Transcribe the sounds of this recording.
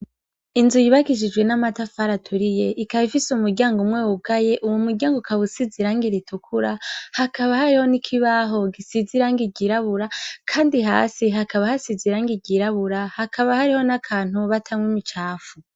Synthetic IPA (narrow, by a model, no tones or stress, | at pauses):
inzujiβakiʃ̬id͡ʒɡwe̞namatafaːɾatʰuɾije̞ʔikaβifisumuɾɟaːŋɡomŋweːwuɡaje̞ʔuwumuɾɟaːŋɡokaβusiziɾaːŋɡiɾitukʰuɾahakaβahaɾiho̞nikʰiβaːɦo̞ɡisiziɾaːŋɡiɟiɾaβuɾakʰaːndiɦa̰ːsiɦakaβahasiziɾaːŋɡiɟiɾaβuɾahakʰaβahaɾiho̞nakʰaːn̥huβatʰamwimit͡ʃaːfu